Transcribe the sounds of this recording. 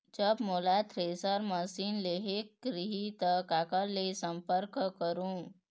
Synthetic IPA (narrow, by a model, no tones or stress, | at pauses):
d͡ʒəbmolat̪ʰɾesəɾməsinleɦekːɾiɦit̪əkakəlːesəmpəɾkəkəɾũ